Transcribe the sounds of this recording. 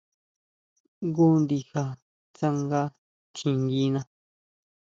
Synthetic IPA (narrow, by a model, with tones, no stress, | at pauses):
ŋɡu˦nd̪i˧xa˧ | t͡sa˦ŋɡa˦ | t͡ʃĩ˧ŋɡi˦nã˧